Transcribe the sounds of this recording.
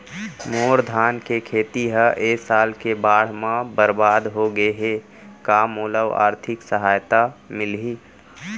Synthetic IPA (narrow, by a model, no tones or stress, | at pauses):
moːɾd̪ʱaːnkekʰeːt̪iɦəʔeːsaːlkebaːɽ̤mãbəɾbaːd̪ɦoɡəeɦe | kaːmoːləwa̰ːɾt̪ʰɪksəɦaːjt̪amɪlɦi